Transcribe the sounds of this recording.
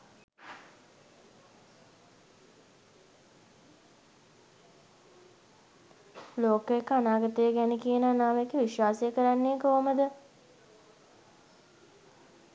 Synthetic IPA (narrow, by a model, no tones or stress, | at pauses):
loːkəekːəanaːɡət̪əjəɡænekijənəanaːʋekːeʋiʃwaːsejəkəɾanːeːkoʋəməd̪ə